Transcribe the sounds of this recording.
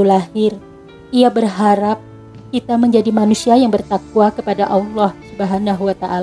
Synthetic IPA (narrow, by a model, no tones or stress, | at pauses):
ulahɪr | iabərɦaɾap̚ | kit̪aməɲd͡ʒadimanusiajaŋbərt̪ak̚wakəpadaʔɑlːɑhsubəɦanaɦwat̪aʔal